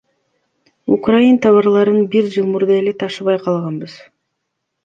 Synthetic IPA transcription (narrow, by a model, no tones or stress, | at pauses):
ukrajint̪ʰɑβɑɾlˠɑɾɯnbiɾd͡ʒɯlˠmuɾd̪ɑe̞le̞t̪ʰɑʃɯβɑjqʰɑlˠʁɑnbɯz̥